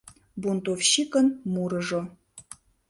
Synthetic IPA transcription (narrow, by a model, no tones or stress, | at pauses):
bunt̪ofɕikənmuɾə̆ʒo